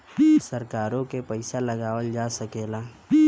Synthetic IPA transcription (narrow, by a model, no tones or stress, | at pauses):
səɾkaːɾõkepəɪsalɐɡaːwəld͡ʒaːsɐkeːlaː